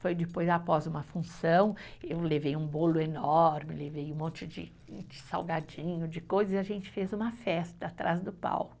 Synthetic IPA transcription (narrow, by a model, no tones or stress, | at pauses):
fojd͡ʒɪpojzapɔzũmɐfũsɐ̃w̃ewlevejũbolʊenɔɾmɪlevejũmõnt͡ʃɪd͡ʒɪ̰ | d͡ʒɪsa̰wɡad͡ʒĩɲʊd͡ʒɪkojzɐzɪaʒẽnt͡ʃɪ̥fezũmɐfɛst̪ɐːt̪ɾa̰zd̪ʊpa̰w